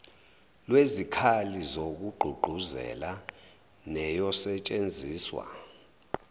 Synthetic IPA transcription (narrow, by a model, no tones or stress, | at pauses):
lwezikʰalizok̬uɡ͡ǃʱuɡ͡ǃʱuzɛ̰la | nɛjɔsɛt͡ʃʼend͡zʱiːswa̰